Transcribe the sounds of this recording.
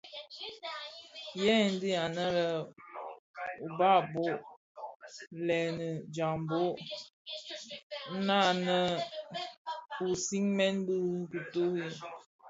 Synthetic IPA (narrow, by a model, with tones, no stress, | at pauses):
jɛ˦˨n̩˦di˦a˨nə˦lə˦ | u˨ba˦˨bo˦ | lɛ˨nə˨d͡ʒa˨mbo˦ | na˦˨nə˦ | u˨si˦ŋmɛ˦nbi˦ɾŋ˦ki˨to˦ji˦